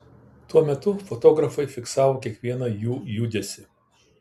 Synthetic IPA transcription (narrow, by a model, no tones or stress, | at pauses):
t̪uɔmʲɛt̪ʊfɔt̪oːɡɾɐfɐɪfʲɪksɑːʋoːkʲiɛkʋʲiɛnɐjuːjuːd̪ʲesʲɪ